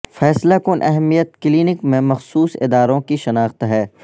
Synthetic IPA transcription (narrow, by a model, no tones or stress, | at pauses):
fɛːslakʊnʔɛɦɛmijət̪kliːnɪkmẽmɐxsuːsɪ̰d̪aːɾõkiʃɐnaːxt̪ɦɛː